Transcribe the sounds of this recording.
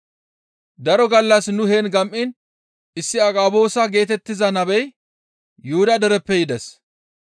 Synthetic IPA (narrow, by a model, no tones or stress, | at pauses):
d̪ɐɾɔɡɐlːɐsnʊheːnɡɐmʔɪn | ɪsːɪɐkʼaːbo̞ːsɐɡe̞ːt̪ɛt̪ːɪzɐnɐbɛj | jʊhʊd̪ɐd̪ɛɾɛpːɛjɪd̪ɛs